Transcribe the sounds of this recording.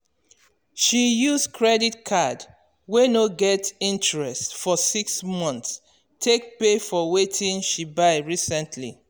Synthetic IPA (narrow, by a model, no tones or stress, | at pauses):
ʃijuzkʰɹɛditkʰad | wenoɡɛtĩntɹɛstfɔsiksmɔ̃nts | tʰek̚pefɔwetʰĩnʃibaɪɹisɛ̃ntʰlḭ